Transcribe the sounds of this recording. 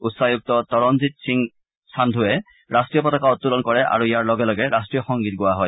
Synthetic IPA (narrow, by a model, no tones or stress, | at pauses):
utsajuk̚tɔtɔɹɔnzitsiŋ | sʰandʱʊɛ | ɹastɹijɔpɔtakaɔtːulɔnkɔɹɛʔa̰ɹuijaɹlɔɡɛlɔɡɛɹastɹijɔxɔŋɡit̚ɡʊwaɦɔj